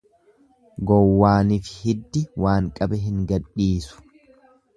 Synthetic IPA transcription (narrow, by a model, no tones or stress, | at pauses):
ɡɔwːaːnifɪ̥hɪd̪ːɪwaːŋkʼɐbɛɦɪŋɡɐᶑiːsʊ̥